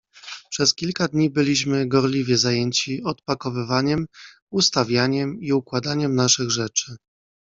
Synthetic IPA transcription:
pʂɛskʲilkad̪ɲibɘlʲiɕmɘɡɔɾlʲivʲjɛzajɛɲt͡ɕiɔt̪̚pakɔvɘvaɲɛm | ust̪avʲjaɲɛmiukwad̪aɲɛmnaʂɘɣʐɛt͡ʂɘ

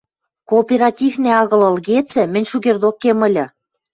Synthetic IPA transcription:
koːpʲeɾɑtʲivneɑɣɤ̆lɤ̆lɣet͡sɘ̆mɘ̆nʲʃuɣerd̪okːemə̆lʲɘ̆

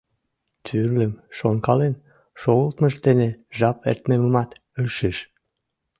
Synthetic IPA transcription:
t̪ʰyrləmʃoŋkɑlen | ʃoəlt̪məʃt̪eneʒɑpḛrt̪meməmɑt̪ | əʃeʃ

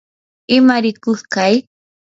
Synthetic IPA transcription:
ɪmaɾɪkʊskaj

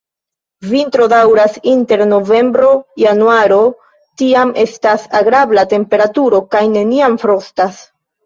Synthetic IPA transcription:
vintɾo̞dawɾasinte̞ɾno̞ve̞mbɾo̞januaɾo̞ | tiame̞̰stasaɡɾablate̞mpe̞ɾatuɾo̞kajne̞niamfɾo̞stas

